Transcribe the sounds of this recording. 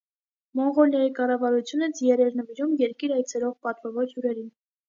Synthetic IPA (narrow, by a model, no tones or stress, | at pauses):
mɔŋʁɔljɑjikɑrɑvɑɾut͡sʰjunət͡sjɛɾɛɾnəviɾumjɛɾkiɾɑjt͡sʰɛlɔʁpɑt̪vɑvɔɾjuɾɛɾin